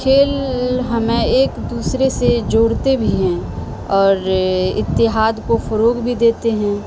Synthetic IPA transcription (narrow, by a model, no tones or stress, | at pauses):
kʰeːlɦɐmẽeːkd̪uːsɾesed͡ʒoːɽt̪ebʱiɦɛ̃ | ɔːɾɪ̰t̪ːɪɦaːd̪kofəɾoːɡbʱid̪eːt̪eɦɛ̃ː